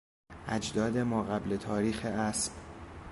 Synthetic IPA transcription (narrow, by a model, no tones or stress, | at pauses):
ʔæd͡ʒd̪ɒːd̪emɒːɣæblet̪ʰɒːɾiːxeʔæsb̥